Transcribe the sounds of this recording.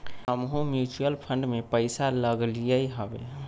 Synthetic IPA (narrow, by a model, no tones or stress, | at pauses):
ɦəmɦũmjut͡ʃiəlpʰəɳɖmepəɪsaləɡlijəjɦəbḛ